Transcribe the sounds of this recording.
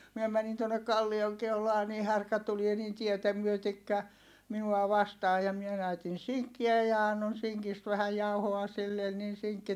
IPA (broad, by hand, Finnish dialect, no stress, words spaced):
miɛ mænin tuonːek̆ kɑlːioŋ keulɑː ni hærkæ tulie niːn tietæ myøtekːæ minuɑ ʋɑstɑː jɑ mie næytin̞ siŋkːiæ jɑ ɑnːon siŋkist ʋæhæj jɑuhoɑ silːen nin̞ siŋkːi